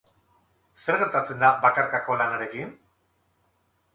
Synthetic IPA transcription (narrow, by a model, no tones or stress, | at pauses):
se̞ɾɣe̞ɾt̪at͡se̞nd̪aβakaɾkako̞lanaɾe̞kin